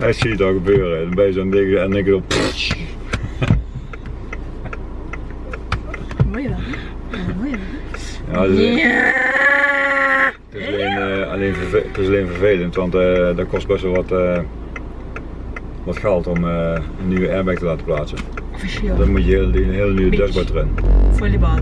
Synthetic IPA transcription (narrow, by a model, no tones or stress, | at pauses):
ɛtsiədɔɣəbøːrədbɛjəsondɪkəɛnɪkədɔpis | jaːd | tɪsleːnɑ̰leːnvəvtɪsɑleːnvəɹveːləntʋɑntədɔkɔst̚bɛstʋɛlˠʋɑtə | ʋɑtxɛlˠtɔməənːyʋəʔɛːɹbɛk̚təlaːtə̥plaːtsə | dɑnmutjəlɦɪːələnyʋədœsbɔtərɪn